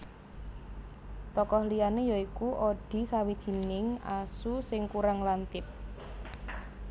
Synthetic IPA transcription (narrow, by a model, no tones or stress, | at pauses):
t̪ɔkɔhlijanejɔikuʔoɖ̥i̤sawid̥ʒ̥i̤nɪŋa̰susɪŋkuɾaŋlant̪ɪp̚